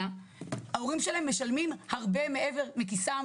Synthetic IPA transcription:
a | aoʁimʃelaemːeʃalmimhaʁbe̞me̞ʔe̞ve̞ʁmekisa

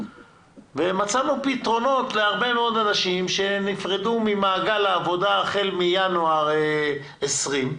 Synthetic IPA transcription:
veemat͡samupit̪ʁo̞no̞t̪leaʁbe̞meo̞d̪anaʃimʃe̞nifʁedumimaːɡalaːvo̞daːχe̞lmijanuaʁ | esʁim

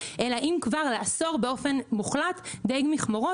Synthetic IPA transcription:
ʔe̞laʔimkvaʁlaaso̞ʁbeo̞fe̞nmuχlat̪d̪eɡmiχmoʁo

